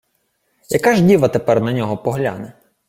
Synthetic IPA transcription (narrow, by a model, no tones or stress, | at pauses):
jɐkɑʒdʲiʋɐt̪epɛrnɐnʲɔɦɔpɔɦlʲa̰nɛ